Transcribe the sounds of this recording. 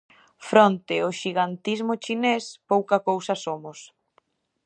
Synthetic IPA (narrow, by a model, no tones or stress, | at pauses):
fɾɔnt̪ɪʊʃiɣant̪izmʊt͡ʃinespowkɐkowsɐsomʊs